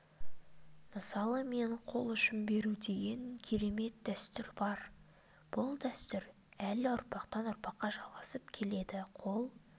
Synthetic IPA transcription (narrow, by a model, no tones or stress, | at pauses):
məsɑlˠəme̞ɴqʰo̞lˠʏʃɪmbe̞ɾud̪e̞ɡʲe̞ŋkʲʰe̞ɾe̞me̞t̪̚d̪æst̪ʏɾbɑɾ | b̥ʊlˠd̪æst̪ʏɾ | ælɪʊɾpɑqt̪ɑnʊɾpɑqːɑʒɑlˠʁɑsəpkʲʰe̞le̞d̪ɪqʰo̞lˠ